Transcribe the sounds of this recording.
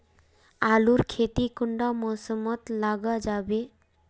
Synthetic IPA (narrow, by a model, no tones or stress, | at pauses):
aluɾkʰet̪ikuɳɖamɔsɔmɔt̪laɡad͡ʒabe